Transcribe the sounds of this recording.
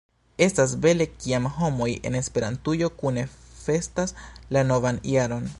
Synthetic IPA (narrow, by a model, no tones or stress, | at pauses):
e̞stas̬be̞le̞kiamɦo̞mo̞je̞̰ne̞spe̞ɾantujo̞kune̞fe̞staslano̞vanj̰aɾo̞n